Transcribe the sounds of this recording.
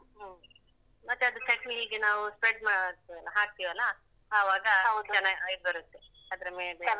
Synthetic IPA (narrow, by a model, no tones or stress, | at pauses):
ɦ | mɐt̪ːeɐd̪ukɐʈmiiːɡenaːʋuspeɖmaɦaːɡ̚t̪iʋɐlːɐː | ʋaːɡɐt͡ʃɐnːaid̚bɐɾut̪ːe | ɐd̪ɐɾɐmeːɭbe